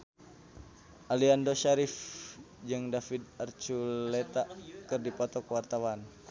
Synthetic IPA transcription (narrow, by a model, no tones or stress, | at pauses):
ʔaliandoʃaɾif | d͡ʒɨŋdafid̪art͡ʃulɛt̪akɨrdipɔt̪ɔkwart̪awan